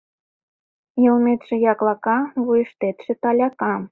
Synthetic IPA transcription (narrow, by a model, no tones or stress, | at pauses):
jə̆lmet̪ʃĕjɑklɑkɑβujəʃt̪et̪ʃĕt̪ɑlʲɑkɑm